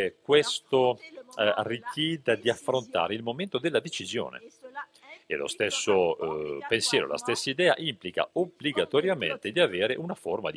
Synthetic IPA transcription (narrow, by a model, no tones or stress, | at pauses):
kwest̪o | arːikjɛːd̪ad̪iafːɾont̪a̰ːɾeilmoment̪od̪elːad̪et͡ʃizjo̰ːnḛ | ḛlo̰st̪esːopensjɛːɾo̰la̰st̪esːaid̪ɛːa̰ʔimplika̰obliɡat̪oɾjamḛnt̪ed̪iaveːɾeʔunaforma̰d̪